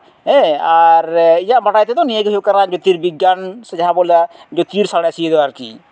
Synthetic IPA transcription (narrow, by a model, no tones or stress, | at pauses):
ɦɛaɾijaʔbʱaʈajt̪et̪ɔnijekeɦokaɾãd͡ʒot̪iɾbiɡːansed͡ʒaɦabolad͡ʒot̪iɾsaɽ̃ɛsied̪ɛwaɾkḭ